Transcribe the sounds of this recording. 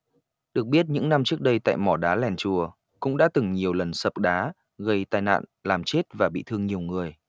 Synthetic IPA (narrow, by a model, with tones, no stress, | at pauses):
ɗɨ˨˩ək̚ɓi˦˥ət̚ɲɨ̰˧˥ŋna˧mt͡ɕɨ˦˥ək̚ɗə˧jt̪a̰ː˧˨jmɔ˧˩ɗaː˨˦lɛ˨˩nt͡ɕu˨˩ə | kʊ̰˧˥ŋ͡mɗa̰ː˧˥t̪ɨ˨˩ŋɲi˨˩əwlə˨˩nsə˨˩p̚ɗaː˨˦ | ɣə˧jt̪aː˧jna̰ː˧˨nlaː˨˩mt͡ɕe˦˥t̚vaː˨˩ɓḭ˧˨t̪ʰɨ˧əŋɲi˨˩əwŋɨ˨˩əj